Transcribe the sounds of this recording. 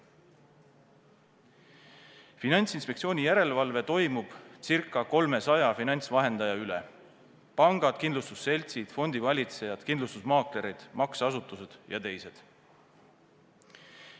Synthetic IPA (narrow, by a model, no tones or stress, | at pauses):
finɑnʲt̪sinspekt̪sio̞ːnʲijæɾe̞levɑlve̞t̪o̞jmub̥t̪sirkˑːɑko̞lme̞sɑjɑfinɑnʲt̪svɑɦe̞nd̪̥ɑjɑyle | pɑŋɡ̥ɑd̪̥kind̪lust̪usːe̞lʲt̪sid̪̥fo̞nd̪̥ivɑlʲit̪se̞jɑd̪̥kinlust̪usmɑːkleɾid̪̥mɑksɑsut̪ːˑuse̞d̪̥jɑ̰t̪e̞jse̞d̪̥